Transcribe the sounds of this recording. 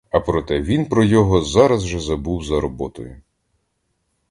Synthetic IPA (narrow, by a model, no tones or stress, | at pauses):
ɐpɾɔt̪ɛʋʲinpɾɔjɔɦɔzɑɾɐzʒɛzɐbuwzɐɾɔbɔt̪ɔjʊ